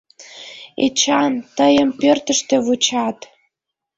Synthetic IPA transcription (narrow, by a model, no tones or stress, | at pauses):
ḛt͡ɕɑnt̪əjəmpørt̪ə̆ʃt̪ĕβut͡ɕɑt̪